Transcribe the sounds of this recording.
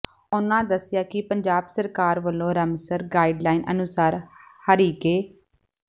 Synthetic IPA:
ʊnãːd̪əsːɪjaːkɪpəɲd͡ʒaːbsəɾkaːɾʋəlːõːɾəmsəɾɡaːiːɖlaːiːnʔənʊsaːɾhəɾiːkeː

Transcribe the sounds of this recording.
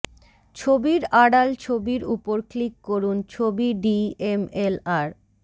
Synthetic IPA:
t͡ɕʰobiɾaɽalt͡ɕʰobiɾupoɾklikːoɾunt͡ɕʰobiɖiemelaɾ

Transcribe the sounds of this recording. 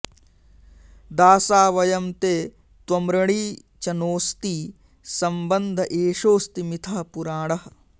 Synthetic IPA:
d̪aːsaːʋɐjɐmt̪eː | t̪wɐmɾɐɳ̃iː | t͡ʃɐnoːst̪iː | sɐmbɐnd̪ʱɐʔeːʃoːst̪imit̪ʰɐɦɐpuɾaːɳɐɦɐ

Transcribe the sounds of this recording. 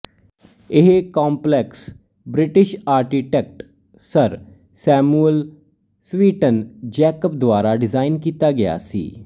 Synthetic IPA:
ɪɦkaːmplɛks | bɾɪʈɪʃaːɾkiʈɛk̚ʈ | səɾ | sɛːmuəl | sʋiːʈənd͡ʒɛːkəp̚d̪ʊwaːɾaːɖɪzaːɪnkiːt̪aːɡɪja̰ːsḭː

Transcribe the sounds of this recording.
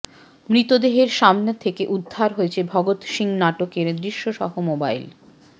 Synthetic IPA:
mɾit̪od̪eɦeɾʃamnet̪ʰekeʔud̪ʱːaɾɦoet͡ɕʰebʱɔɡot̪ʃiŋnaʈokeɾd̪ɾiʃːoʃɔ̰ɦomobajl

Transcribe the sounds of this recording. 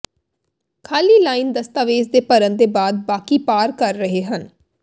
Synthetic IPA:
kʰaːliːlaːind̪əst̪aːʋeːzd̪eːpəɾənd̪eːbaːd̪̚baːkiːpaːɾkəɾːəɦeːɦən

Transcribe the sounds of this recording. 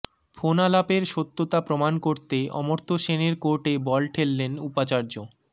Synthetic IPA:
fʰonalapeɾʃot̪ːot̪apɾomankoɾt̪eɔ̰moɾt̪ʰoʃeneɾkoɾʈebɔlʈʰelːenupat͡ɕaɾd͡ʑo

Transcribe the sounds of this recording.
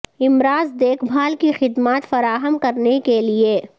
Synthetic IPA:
ɪmɾaːzd̪eːkʰbʱaːlkixɪd̪maːt̪fɐɾaːɦəmkɐɾnekelieː

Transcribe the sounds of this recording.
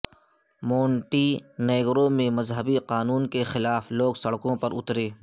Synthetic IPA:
moːɳʈiːneːɡɾõmẽmɐzɦəbiqaːnuːnkexɪlaːfloːɡsɐɽkõpɐɾʊt̪ɾeː

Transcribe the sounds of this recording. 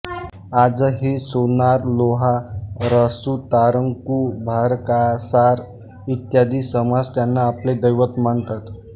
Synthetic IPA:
ad͡zəɦisonaɾloɦaɾəsut̪aɾəŋkubʱaɾkasaɾ | it̪jad̪iːsəmad͡zt̪janːaːpled̪əjʋət̪mant̪at̪

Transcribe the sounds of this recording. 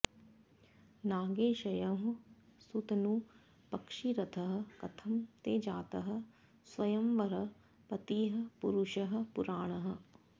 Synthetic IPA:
naːɡeːʃɐjɐɦũsut̪nũ | pɐkʃiɾɐt̪ʰɐɦɐ̆kɐt̪ʰɐmt̪eːd͡ʒaːt̪ɐɦə̆ | sʋɐjɐmʋɐɾɐ | pɐt̪iːɦɐ̆puɾuʃɐɦɐ̆pʊɾaːɽ̃ɐɦə̆

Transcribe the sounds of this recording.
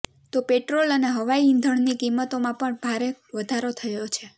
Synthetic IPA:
t̪opeʈɾoləneɦəʋaiind̪ʱəɳnikimːət̪omãpəɳbʱaɾeʋəd̪ʱaɾot̪ʰəjot͡ʃʰe

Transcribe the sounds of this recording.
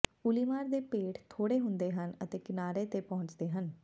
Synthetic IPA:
ʊliːmaːɾd̪eːpeːʈʰt̪ʰoːɽeːɦʊ̃nd̪eːɦənət̪eːkɪnaːɾeːt̪eːpɔɦʊ̃ɲt͡ʃd̪eːɦən

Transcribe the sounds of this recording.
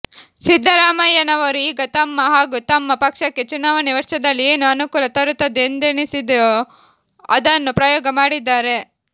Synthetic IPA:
sid̪ʱːɐɾaːmɐjɐnɐʋɐɾuiːɡɐt̪ɐmːɐɦaːɡut̪ɐmːɐpɐkʂɐkːet͡ʃunaːʋɐniʋɐɾʂɐd̪ɐlːieːnuɐnukuːlɐt̪ɐɾut̪ːɐd̪end̪enisid̪ | ɐ̰d̪ɐnːupɾɐjɔːɡɐmaːɽid̪ːaːɾe̞

